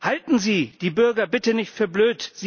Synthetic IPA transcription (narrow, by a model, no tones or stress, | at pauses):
haltn̩ziːd̥iːbʏɐɡɐbɪtənɪçtfyːɐbløːtz̥iː